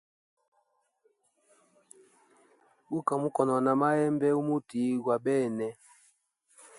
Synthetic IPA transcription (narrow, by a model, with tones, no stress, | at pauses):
u˦ka˨mu˦kɔ˨nɔ˨na˨ma˦ɛ˦mbɛ˦u˦mu˦ti˨˦ɡwa˨ɓɛː˦˨nɛ˨